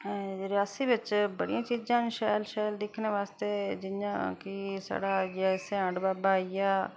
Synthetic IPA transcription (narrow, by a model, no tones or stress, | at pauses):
ɾɪjaːsiːʋɪt͡ʃbəɽijãːt͡ʃiːd͡ʒãːnʃɛːlʃɛːld̪ɪkʰneːʋaːst̪eːd͡ʒɪã̰ːkɪsa̰ːɽaːd͡ʒɛseãːɖbaːbaːijaː